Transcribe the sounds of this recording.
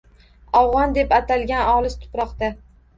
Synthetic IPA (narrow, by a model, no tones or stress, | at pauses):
ɒwʁɒnd̪e̞pat̪ʰalɡʲanɒlˠɪst̪ʰʊ̥pɾɒqt̪a